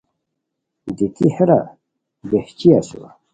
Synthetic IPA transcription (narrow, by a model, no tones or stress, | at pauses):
d̪it̪iheɾa̰ | beht͡ɕiaso̰